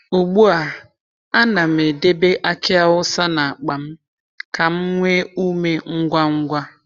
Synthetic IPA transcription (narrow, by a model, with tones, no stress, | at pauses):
u˨ɡ͡bu˦a˨ | a˦na˨m̩˨e˨de˦be˦ʔa˦kɪ˦a˦ʊ˦sa˦na˨a˨k͡pa˨m̩˦ | ka˨m̩˦ŋʷe˦u˦me˦ŋ̩˦ɡʷa˦ŋ̩˦ɡʷa˦